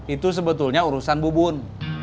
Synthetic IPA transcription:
it̪us̬əbət̪ʊlɲauɾusanbubʊn

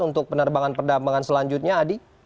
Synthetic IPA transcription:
unt̪ʊk̚pənərbaŋanpərdamaŋansəlaɲd͡ʒut̪̚ɲaːdi

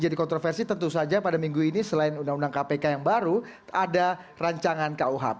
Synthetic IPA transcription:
d͡ʒadikɔnt̪ɾɔfɛrsit̪ənt̪usad͡ʒapadamiŋɡuinisəlaɪnundaŋundaŋkapekajaŋbaɾu | ada | raɲt͡ʃaŋankauɦa̰p̚

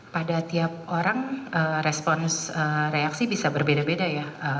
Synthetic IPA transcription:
padat̪iap̚oɾaŋəːrɛspɔnsəreaksibisabərbedabedajaə

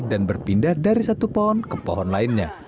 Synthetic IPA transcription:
danbərpindahdaɾisat̪upɔɦɔnkəpɔ̰ɦɔnlaɪnɲa

